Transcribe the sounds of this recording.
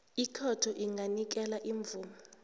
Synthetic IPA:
ikʰɔtʰɔʔiŋʱanik̬ɛlaʔiɱb̪vuːmɔ

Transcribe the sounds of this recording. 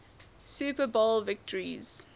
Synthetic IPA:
suːpəbolvɪk̚təɹiz̥

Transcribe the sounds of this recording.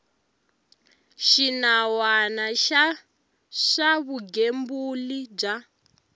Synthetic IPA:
ʃinawanaʃa | ʂaβuɡembulid͡ʒa

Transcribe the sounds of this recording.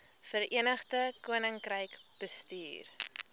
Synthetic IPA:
fəɾiənəχdəkuənəŋkrəjkb̥əstḭːr

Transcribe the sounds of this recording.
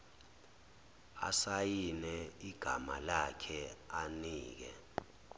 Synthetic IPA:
a̰sajinɛiɡ̥ʱa̰malakʰɛaniːk̬ɛ̰

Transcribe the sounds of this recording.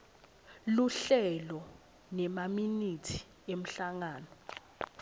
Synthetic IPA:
luɬɛlɔ | nɛmaminitʰi̥ | em̩ɬaŋaːnɔ

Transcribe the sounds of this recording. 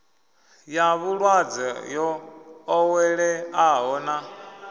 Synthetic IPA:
jaβuɺwad͡zɛjɔː | wɛɺɛaɦɔːna

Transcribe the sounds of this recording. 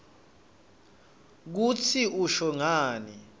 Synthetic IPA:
k̬ut͡sʰiuʃɔŋaːni

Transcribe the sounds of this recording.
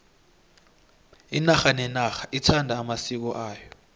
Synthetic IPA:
inaxanɛnaxaʔitʰandʱaːmasik̬ɔʔaːjɔ

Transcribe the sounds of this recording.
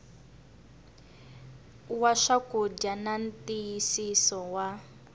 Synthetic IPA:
waʂakud͡ʒanan̩tijisisɔwa

